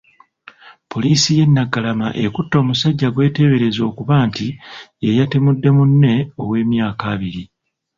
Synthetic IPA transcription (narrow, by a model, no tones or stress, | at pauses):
pʰo̞liːsije̞nːaɡalamaʔekutːo̞ːmusaɟːaɡwe̞ːte̞βe̞ɾe̞zo̞ːkuβaːntiejatemudːe̞munːe̞owe̞ːmjaːkaːβiɾi